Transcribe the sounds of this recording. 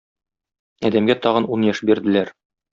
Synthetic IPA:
ɒd̪æmɡæt̪ɒʁɤ̆nunjɑʃbiɾd̪ɘ̆læɾ

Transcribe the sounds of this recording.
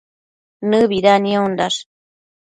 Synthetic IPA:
nɨβiɾanĩondaʂ

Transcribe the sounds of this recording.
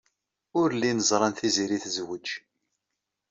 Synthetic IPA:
ʊɾlːinəzˤɾˤɑnθiziɾiθzwəd͡ʒ

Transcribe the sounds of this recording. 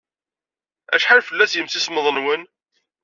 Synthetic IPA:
æ̰ʃħalfəlːæsjəmθisməðˤənwən

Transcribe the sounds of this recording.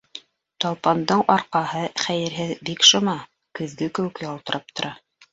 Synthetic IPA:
t̪ɑlˠpɑnd̪ɤɴɑɾqɑhɤχæjɘ̆ɾɦɘðbikʃŏmɑ | kɵ̆ðɡɘkɘ̆wɘ̆kjɑlˠt̪ɤ̆ɾʔɑp̚t̪ŏɾʔɑ

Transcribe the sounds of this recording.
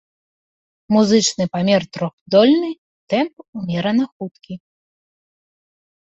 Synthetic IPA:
muzɨt͡ʂnɨpamʲɛrt̪ɾɔxd̪ɔlʲnɨ | t̪ɛmp̚umʲɛɾɐnɐxut̪kʲi

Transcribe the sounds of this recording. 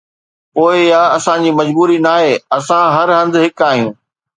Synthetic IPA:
poːɪjaːɐsãd͡ʑiːmɐd͡ʑbuːɾinaːɦeːɐsãɦɐɾɦɐ̃nd̪ɦɪkaːɦijũː

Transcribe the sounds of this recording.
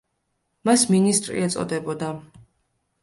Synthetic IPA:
masminist̪ʼɾḭɛt̪sʼɔ̰d̪ɛbɔd̪a

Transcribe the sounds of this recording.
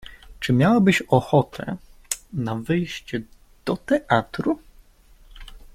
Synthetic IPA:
t͡ʂɘmʲjawabɘɕɔxɔt̪ʰɛ̰navɘjɕt͡ɕɛ | d̪̥ɔt̪ɛʔat̪ɾu

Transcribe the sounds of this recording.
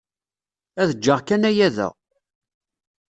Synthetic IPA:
æðəd͡ʒːəʁkænæjæðæ̰

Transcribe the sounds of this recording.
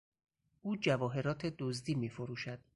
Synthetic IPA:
ʔuːd͡ʒævɒːɦe̞ɾɒːt̪ʰed̪ozd̪iːmiːfoɾuːʃæd̪̥

